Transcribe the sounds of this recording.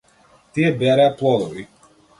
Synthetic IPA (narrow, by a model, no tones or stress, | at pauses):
t̪ijɛbɛɾajaplˠɔd̪ɔvi